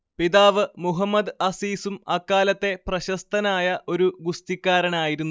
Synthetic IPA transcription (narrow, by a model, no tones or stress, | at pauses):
piðaːʋɨmuɦɐmːɐd̪ɐsiːsumɐkːaːlɐt̪ːe̞prɐɕɐst̪ʰɐnaːjɐʔo̞ɾuɡust̪ikʲːaːɾɐɳaːjiɾunː